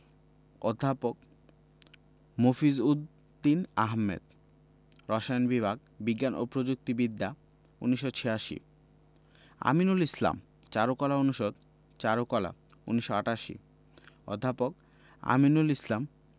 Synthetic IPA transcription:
od̪ʱːapok̚ | mofizud̪ː | inaɦmḛd̪̚ | ɾɔʃaonbibʱaɡ̚ | biɡːano̰pɾod͡ʑuk̚t̪ibid̪ːa | ṵniʃːot͡ɕʰeaʃḭ | a̰minulisla̰m | t͡ɕaɾokɔlaonuʃod̪̚ | t͡ɕaɾokɔla̰uniʃoaʈaʃḭ | o̰d̪ʱːapok | a̰minulislam

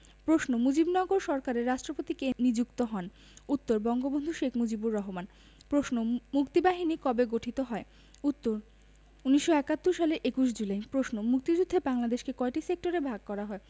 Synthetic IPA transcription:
pɾoʃnomud͡ʑibnɔɡoɾʃɔɾkaɾeɾːaʃʈɾopot̪ikenid͡ʑukt̪oɦɔn | ut̪ːoɾbɔŋɡobond̪ʱuʃekʰmud͡ʑibuɾːɔɦoman | pɾoʃnomukt̪ibaɦinikɔbeɡoʈʰit̪oɦɔe | ut̪ːoɾ | uniʃːoɛkat̪ːuɾʃaleɾʔekuʃd͡ʑulajpɾoʃnomuk̚t̪id͡ʑud̪ʱːebaŋlad̪eʃkekɔeʈisek̚ʈoɾebʱaɡ̚kɔɾaɦɔe

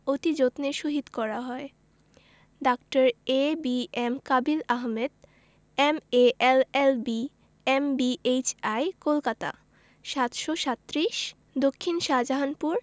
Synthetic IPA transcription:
ot̪id͡ʑot̪neʃoɦid̪kɔɾaɦɔe | ɖakʈaɾebiemkabilaɦmed̪ | emeʔelelbi | embiet͡ɕajkolkat̪a̰ | ʃat̪ʃoʃat̪ːɾiʃ | d̪okʰːinʃad͡ʑaɦanpuɾ

